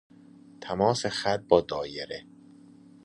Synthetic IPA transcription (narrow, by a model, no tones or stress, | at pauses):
t̪ʰæmɒːsexæt̪̚bɒːd̪ɒːjeɾe